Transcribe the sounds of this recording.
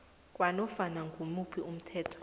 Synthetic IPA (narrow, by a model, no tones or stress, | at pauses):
k̬ʼwanɔfanaŋɡʱumupʰium̩tʰɛːtʰɔ̥